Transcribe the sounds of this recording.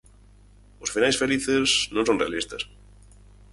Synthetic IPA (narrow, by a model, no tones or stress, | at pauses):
osfinajsfeliθeznõnsonrealist̪as